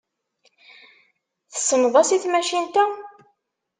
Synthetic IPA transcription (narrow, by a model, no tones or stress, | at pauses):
θə̥sːəmðˤɑsiθmæʃint̪æ